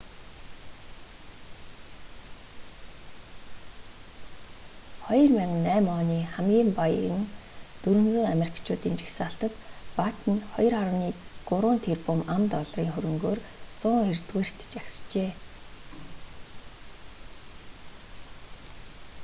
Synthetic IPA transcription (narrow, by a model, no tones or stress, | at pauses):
χɔjɞ̆rmæŋnːæːmɔːniːχæmɡʲiːmpajɘ̆nt̪ɵɾɵ̆nt͡suːŋamer̥ʲkt͡ɕʰʊːt̪iːnt͡ɕi̥xsaːɬt̪ə̆t̪pat̪ə̆nχɔj̆raɾniːɡ̥ʊɾʊːnt̪ʰerpʊmamt̪ɔɮriːŋχɵɾɵ̆ŋɡoːr | t͡sʊːŋert̪weːr̥ʲt̪̆t͡ɕakst͡ɕeː